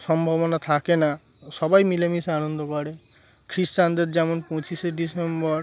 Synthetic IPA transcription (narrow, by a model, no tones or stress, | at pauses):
sɔmbʱɔbɔnat̪ʰakena | sɔbajmilemisanɔnd̪ɔkɔɽe | kʰɾist͡ʃand̪et̪d͡ʒɛmɔnpɔ̃t͡ʃiseɖisembɔɾ